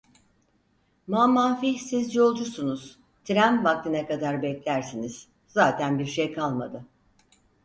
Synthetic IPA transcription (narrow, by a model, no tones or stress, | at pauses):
mamaːfisizjo̞lˠd͡ʒusunuz̥ | t̪ʰiɾæmvak̚t̪ʰinɛkad̪aɾbɛclʲæɾsiniz̥ | zaːt̪ʰænbiɾʃejkʰalˠmad̪ɯ